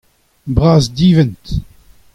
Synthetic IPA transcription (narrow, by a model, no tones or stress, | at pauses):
bʁaːzdiːvɛnt